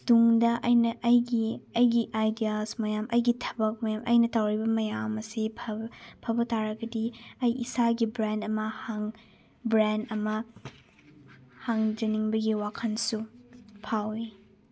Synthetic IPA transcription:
d̥uŋdɐʔɐjnɐʔɐjɡiɐjɡiʔajdijalsmɐjamʔɐjɡitʰɐ̥bɐk̚mɐjamʔɐ̰jnɐtawɾibɐmɐjamɐsipʰɐpʰɐbɐtaɾɐɡɐdiɐjisaɡibɾandɐmɐhaŋ | bɾandɐmɐ | haŋd͡ʒɐniŋbɐɡiwakʰɐnsupʰawi

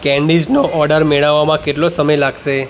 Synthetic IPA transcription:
kɛ̃ɳɖid͡ʒnoɔɾɖəɾmeɭaʋːamãkeʈlosəməjlaɡʃe

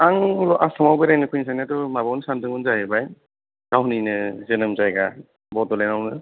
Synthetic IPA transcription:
aŋlɔʔasɔmawbajɾajnɯkʰɯjns̬ajniadɔmabawnisandɯŋbɯnzajebaj | ɡ̥awninɯzɯnɯmzajɡa | bɔdɔlenawnɯ

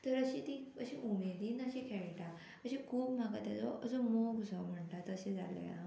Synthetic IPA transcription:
t̪əɾəɕĩt̪iəɕĩʔumed̪iːnəɕĩkʰɛɭʈã | kəɕĩkʰuːbmaɡat̪jad͡zoəd͡zomoɡd͡zʱɔm̤əɳʈat̪əɕed͡za̰lḛja̰

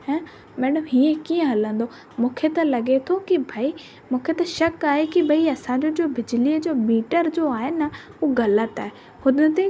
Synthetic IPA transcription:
ɦɛ̃ː | mɛːɗəmɦiːẽkiːə̃ɦɐlə̃nd̪o | mũːkʰet̪ɐlɐɠet̪ʰokibʱaːi | mũːkʰet̪ɐʃɐkaːɦekibʱɐiɐsãɲd͡ʑod͡ʑoːbɪd͡ʑɪliəd͡ʑoːmiːʈəɾd͡ʑoaːɦenɐ | ɦuːɣɐlət̪aːɦe | hʊd̪ət̪e

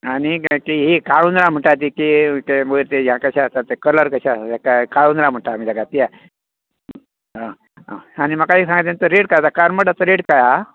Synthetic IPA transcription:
anikiɦikaɭunɾãm̤əɳʈat̪̬ikit̪eməiɾt̪ed͡ʑãkəɕast̪at̪ekələɾkəɕaakakaɭunɾam̤əɳʈamid̪aɡat̪ia | ɦã | animakaɦiːsãŋɡat̪̬ent̪əɾeɽkajat̪akaɾməɽat̪əɾeɽkaja

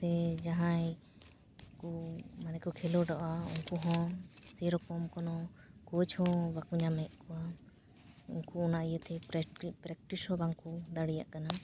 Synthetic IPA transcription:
t̪ɛd͡ʒaɦãj | kumanɛkɔkʰɛlɔɖɔʔauŋkuɦɔ̃seɾɔkɔmkɔnɔkɔt͡ʃʰɔ̃bakuɲamɛʔ̪̚ˀkɔa | ṵŋkuɔnaʔijət̪ɛpɾɛk̚ʈishɔ̃baŋkud̪aɽija̰ʔkana

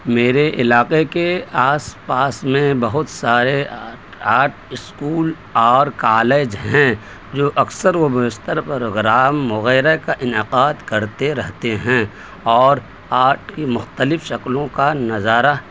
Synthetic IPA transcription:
meːɾeʔɪlaːqekeaːspaːsmẽbɐɦʊt̪saːɾe | aːʈʰɪskuːl | ɔːɾkaːleːd͡ʒɦɛ̃ | d͡ʒoːʔɐksəɾʋobɪɪst̪əɾpəɾoːɡɾaːmːʊɣɛːɾakaʔɪnɪqaːd̪kɐɾt̪eɾɐɦt̪eɦɛ̃ | ɔːɾ | aːɾʈʰkimʊxt̪əlɪfʃɐklõkanɐzaːɾa

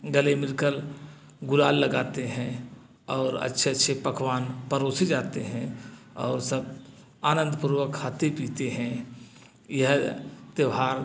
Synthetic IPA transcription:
ɡəlemɪɾkəl | ɡʊlaːlːəɡaːt̪eɦɛ̃ | ɔːɾə̰tːʃʰeətːʃʰepəkʰʋaːnpəɾoːsid͡ʒaːt̪eɦɛ̃ɔːɾsəb̚ | aːnə̃nd̪ʱpuɾwəkʰaːt̪epiːt̪eɦɛ̃ | jəɦt̪əʋɦaːɾ

